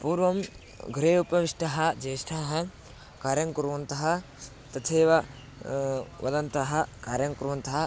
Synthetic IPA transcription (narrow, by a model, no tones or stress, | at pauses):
puːɾʋɐm | ɡʱɾeːupɐʋiʂʈɐɦɐd͡ʒeːʃʈʰaːɦɐ | kaːɾjɐŋkuɾʋɐnt̪ɐɦɐ | t̪ɐt̪ʰeːʋɐ | ʋɐ̰d̪ɐnt̪ɐɦɐkaːɾjɐŋkuɾʋɐnt̪ɐɦɐ